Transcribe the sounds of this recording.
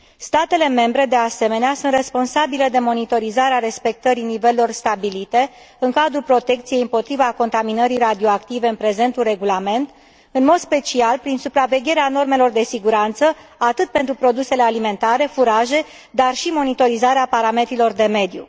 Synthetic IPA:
st̪at̪e̞le̞me̞mbɾe̞d̪e̞ase̞me̞neasunt̪re̞spo̞nsabile̞d̪e̞mo̞nit̪o̞ɾizaɾeaɾe̞spe̞k̚t̪əɾinive̞llo̞rst̪abilit̪e̞ | ɨŋkad̪ɾulpɾo̞t̪e̞kt̪sije̞jɨmpo̞t̪ɾivako̞nt̪aminəɾirad̪io̞akt̪ive̞ɨnpɾe̞ze̞nt̪ure̞ɡulame̞nt̪ | ɨnmo̞d̪spe̞t͡ʃialpɾinsupɾave̞ɡʲe̞ɾeano̞rmelo̞rd̪e̞siɡuɾant̪səat̪ɨt̪̚pe̞nt̪ɾupɾo̞d̪use̞le̞alime̞nt̪aɾe̞fuɾaʒe̞ | d̪arʃimo̞nit̪o̞ɾizaɾeapaɾame̞t̪ɾilo̞rd̪e̞me̞d̪jṵ

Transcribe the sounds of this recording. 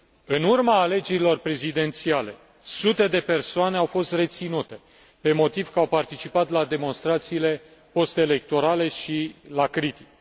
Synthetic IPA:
ɨnurmaːle̞d͡ʒe̞ɾilo̞rpɾe̞zid̪e̞nt̪siale̞ | sut̪e̞d̪e̞pe̞rsoane̞awfo̞st̪re̞t̪sinut̪e̞ | pe̞mo̞t̪iv̥kəawpart̪it͡ʃipat̪lad̪e̞mo̞nst̪ɾat̪siːle̞ | po̞st̪eele̞k̚t̪o̞ɾale̞ʃilakɾit̪i̥k

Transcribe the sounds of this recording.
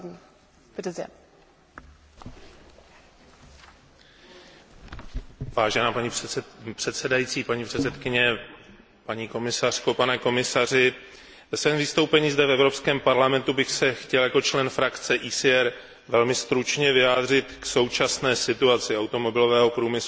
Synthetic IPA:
ɾzɛ̰ | vaːʒɛnaːpaɲipr̥ɛt̪sɛdajit͡siːpaɲiːpr̥ɛt̪sɛt̪kɪɲɛ | paɲiːko̞mɪsar̝̥ko̞panɛko̞mɪsarɪ | ɛsvɛmvɪst̪owpɛɲiːzdɛfɛvɾo̞pskɛːmpaɾlamɛnt̪ubɪxsɛxcɛljako̞t͡ʃlɛnfɾakt͡sɛʔiːsɪɛɾ | vɛlmɪst̪ɾut͡ʃɲɛvɪjaːd̪r̝ɪt̪kso̞wt͡ʃasnɛːsɪt̪uat͡sɪawt̪o̞mo̞bɪlo̞vɛːɦo̞pɾuːmɪslu

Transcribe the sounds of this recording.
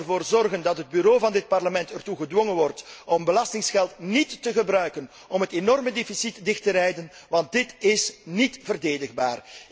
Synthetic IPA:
rvoːrzɔrɣəndɑtɦəd̚byɾoːvɑndɪt̚pɑrləmɛntɛrtuɣədwɔŋənʋɔrtɔmbəlɑstɪŋsxɛlˠtnitːəɣəbrœɥkən | ɔmɦətenɔrmədeːfisitdɪxtəɾɛjdənʋɑnt̚dɪtɪsnitvərdeːdəɣba̰ːr

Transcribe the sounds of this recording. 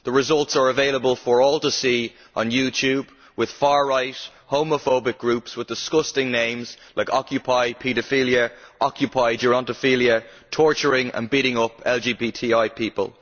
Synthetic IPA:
ðəɹɪzʌlˠtsə˞əveɪləbəlˠfə˞ɔːlˠtəsiː | ʔə̰̃njʉːtʰjʉːb | wɪð̥faːɹɹaɪt | hõʊ̃məfoʊbɪk̚ɡ̥ɹʉpswɪðdɪskʊstɪ̃ŋnẽɪ̃mz̥laɪkɑkʰjɨpʰaɪpʰiɾəfiljəʔɑkʰjɨpʰaɪd͡ʒəɹɑ̃ntəfiljətʰɔɹt͡ʃə˞ɪ̃ŋə̰̃nbiɾɪ̃ŋʊpʰɛlˠd͡ʒibiːtʰiaɪpʰipə̰lˠ

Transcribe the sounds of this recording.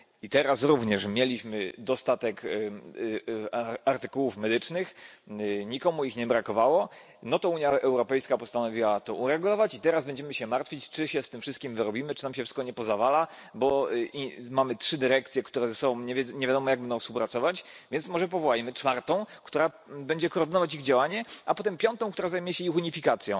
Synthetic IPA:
it̪ɛɾasɾuvɲɛʂmʲjelʲiɕmɘd̪ɔst̪at̪ɛk | aɾt̪ɘ̥kuwufmɛd̪ɘt͡ʂnɘx | ɲikɔmuixɲɛbɾakɔvawɔ | nɔt̪ɔuɲjaʔɛwɾɔpɛjskapɔst̪anɔvʲiwat̪ɔʔuɾɛɡulɔvat͡ɕit̪ɛɾazbɛɲd͡ʑɛmɘɕɛmaɾt̪fʲit͡ɕt͡ʂɘɕɛst̪ɘmfʂɘst̪̚kʲimvɘɾɔbʲimɘt͡ʂɨ̥namɕɛfʂɘ̥st̪kɔɲɛpɔzavala | bɔimamɘtʂɘd̪ɘɾɛk̚t̪sʲjɛkt̪uɾɛzɛsɔbɔ̃w̃ɲɛɲɛvʲjad̪ɔmɔjaɡbɛnd̪ɔ̃w̃spuwpɾat̪sɔvat͡ɕvʲjɛnt̪smɔʐɛpɔvɔwajmɘt͡ʂfaɾt̪ɔ̃w̃kt̪uɾa | bɛɲd͡ʑɛkɔːɾd̪ɘnɔvat͡ɕiɣd͡ʑawaɲɛʔapɔt̪ɛmpʲjɔnt̪ɔ̃w̃kt̪uɾazajmujɛɕɛixuɲifʲikat̪sʲjɔ̃

